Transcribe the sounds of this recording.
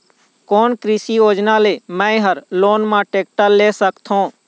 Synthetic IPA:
koːnkɾisijoːd͡ʒnãːleːmɛ̃ːɦəɾloːnmãːʈeːk̚ʈəlːeːsəkt̪ʰɦõː

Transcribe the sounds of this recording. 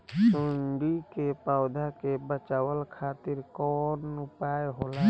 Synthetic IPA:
sʊɳɖikepaːwd̪ʱakebət͡ʃaːwəlkʰaːt̪ɪɾkɔːnʊpaːeɦoːlaː

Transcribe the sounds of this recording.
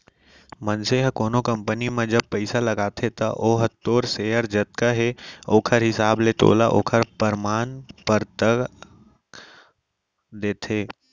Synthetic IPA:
mənseɦkoːnokɐ̃mpənimẽd͡ʒəb̚pəɪsalɐɡaːt̪ʰet̪ɐʔoːɦət̪ːoːɾseːəɾd͡ʒət̪̚kaɦeoːkʰəɾɦɪsaːblet̪o̰ːlaʔo̰ːkʰəɾpəɾmaːnpəɾt̪ək | d̪eːt̪ʰeː

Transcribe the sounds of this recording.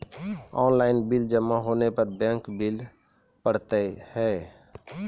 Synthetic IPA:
ɔːnlaːɪnbild͡ʒəmːaɦoːnepəɾbɛ̃ːŋkbɪl | pəɽ̤t̪ehɛ

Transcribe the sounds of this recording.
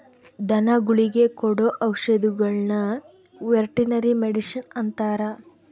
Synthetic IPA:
d̪ɐnɐɡuɭiɡe̞kɔɽoʔɐwʂɐd̪uɡɐɭnɐ | ʋeɾʈinɐɾimeɽiʃɐnɐnt̪aːɾɐ

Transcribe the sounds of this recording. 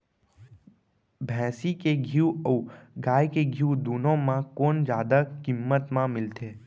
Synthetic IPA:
bʱɛ̃ːsikeɡʱiuəuɡaːjkeɡʱiud̪uːnõmãkoːnd͡ʒjaːd̪akɪmːət̪mãmɪlt̪ʰeː

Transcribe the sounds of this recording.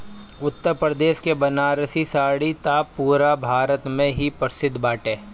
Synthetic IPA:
ʊt̪ːəɾpɾəd̪eːʃkebɐnaːɾəsisaːɽit̪aːpuːɾabʱaːɾət̪mẽɦipəɾsɪd̪ʱːbaːʈeː

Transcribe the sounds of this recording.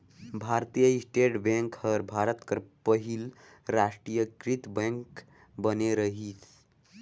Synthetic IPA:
bʱaɾt̪ijəisʈeʈbɛ̃ŋkhəɾbʱaɾət̪kəɾpəɦil | ɾasʈɾijəkɾit̪bɛ̃ŋk | bəneɾəɦit̪ʰ

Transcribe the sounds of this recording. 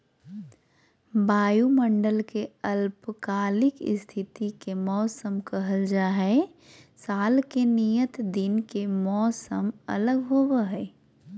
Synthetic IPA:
baːjumə̃ɳɖəlkeəlpkaːlɪkɪ̰st̪ʰɪt̪ikemɔːsəmkəɦəld͡ʒaːɦɛ | saːlkenijət̪d̪ɪnkemɔːsəmɐ̰ləɡɦoːwəɦɛː

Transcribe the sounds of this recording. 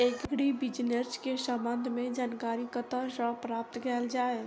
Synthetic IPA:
eɡɡɽibɪd͡ʒnəɾskesə̃mbə̃nd̪ʱmẽd͡ʒaːnkaːɾikət̪aʃɔːpɾaːp̚t̪kɛːld͡ʒaːe

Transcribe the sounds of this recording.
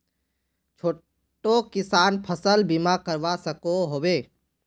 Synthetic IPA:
t͡ʃʰoː | ʈokɪsaːnpʰəsəlbimakəɾʋasəkoɦoːweː

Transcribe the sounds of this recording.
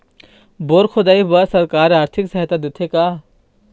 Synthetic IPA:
boːɾxʰʊd̪aːibɐsɐɾkaːɾaːɾt̪ʰɪksɐɦt̪ad̪ɪt̪ʰekaː

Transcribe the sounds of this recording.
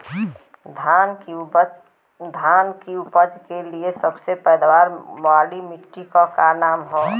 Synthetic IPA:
d̪ʱan | d̪ʱankiupəd͡ʒkeliesəbsepɛjd̪waɾmaɖimɪʈːikɔkanamɦɔː

